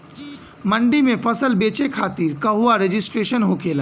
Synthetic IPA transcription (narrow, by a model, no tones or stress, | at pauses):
mɐ̃ɳɖimẽfɐsəlbeːt͡ʃekʰaːt̪iɾkɐɦʊaɾed͡ʒɪsʈɾeːʃənɦoːkʰeːla